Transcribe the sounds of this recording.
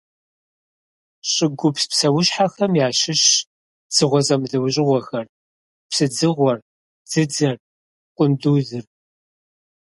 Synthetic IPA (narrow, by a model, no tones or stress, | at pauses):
ɕʼɪɡʷʊpspsɐwʊɕħaxɐmjaːʃɪɕ | d͡z̥ɨʁʷɔzɐmɮɐwɕʼɪʁʷɔxɐr | psɨd͡zɨʁʷɔr | d͡z̥ɨd͡zɐr | qʷʼʊnduːzɨr